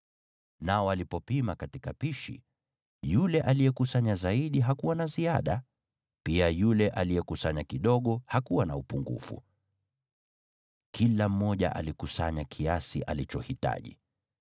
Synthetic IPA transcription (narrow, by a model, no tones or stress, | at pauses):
naɔalipɔpimakatikapiʃḭ | julɛʔalijɛkusaɲazaiɗiɦakuwanaziaɗa | piajulɛʔalijɛkusaɲakiɗɔɠɔhakuwanaupuŋɡṵfṵ | kʰilam̩ːɔʄa̰ʔa̰likusa̰ɲakʰiasiʔalit͡ʃɔhita̰ʄḭ